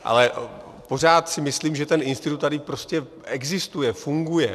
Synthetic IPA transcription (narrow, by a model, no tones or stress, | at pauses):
ʔa̰lɛ | po̞r̝aːt̪sɪmɪsliːmʒɛt̪ɛnʔɪnst̪ɪt̪ut̪ːadɪpɾo̞scɛ | ɛɡzɪst̪ujɛfuŋɡujɛ